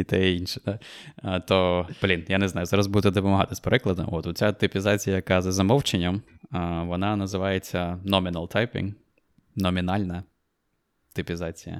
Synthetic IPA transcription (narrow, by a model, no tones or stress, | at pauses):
it̪ɛinʃɛ̥d̪at̪ɔb̥lʲinjanɛznɑjʊzɑɾɐzbud̪t̪ɛd̪ɔpɔmɐɦɑ̰t̪ɪsʲpeɾɪklˠɐd̪ɐ̰mɔt̪ʊt͡sʲat̪ʊpʲɪzɑt͡sʲijɐjɐkɑzɐzɐmɔwt͡ʃenʲːɐmʋɔnɑnɐzɪʋɑjet͡sʲːɐnɔmʲinɐlˠt̪ʰɑjpʲḭŋ | nɔmʲinɑlʲnɐ | t̪ʊpʲizɑt͡sʲijɐ̰